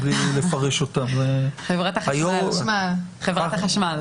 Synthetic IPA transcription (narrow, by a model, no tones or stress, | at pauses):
blilefaʁeʃotamzeχevʁat̪aχajommalχevʁat̪aχaʃmal